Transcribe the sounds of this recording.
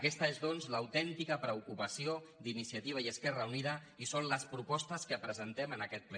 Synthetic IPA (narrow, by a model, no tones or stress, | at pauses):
kɛst̪əezðonzləwt̪ɛnt̪ikəpɾəukupəsio | d̪inisiət̪iβəiəskɛrəuniðə | isonləspɾupɔst̪əskəpɾəzənt̪ɛmənəkɛt̪̚plə